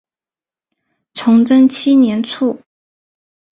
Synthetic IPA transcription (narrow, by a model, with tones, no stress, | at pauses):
ʈ͡ʂʰʊ˧˥ŋʈ͡ʂə˥ŋt͡ɕʰi˥njɛ˧˥nt͡sʰu˥˩